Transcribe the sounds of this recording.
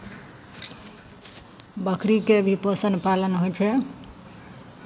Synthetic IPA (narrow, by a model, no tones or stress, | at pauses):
bəkʰɾikebʱiposənpalənɦojt͡ʃʰɛ